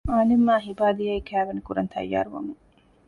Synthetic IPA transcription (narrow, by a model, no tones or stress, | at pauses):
aːnemːaːɦibaːd̪ijɐikʰæːʋenikuɾɐnt̪ʰɐ̰jːa̰ːɾuʋɐ̰mu